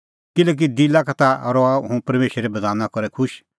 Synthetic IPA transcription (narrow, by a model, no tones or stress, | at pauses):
kɪlɛːk̬id̪ilakat̪aɾɔaɦũpɐɾmeːʃɾɛbɐd̪aːnakɔɾɛkʰʊʃ